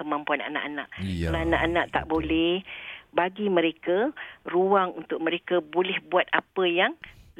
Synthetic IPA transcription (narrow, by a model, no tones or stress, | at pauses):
əmãmpuana̰na̰ʔana̰ʔəlaanaʔanaʔt̪a̰ʔbolɛhbaɡimə̃ɾekaruaŋunt̪ʊʔ̚mə̃ɾekəbolɛhbuat̪̚apəjaŋ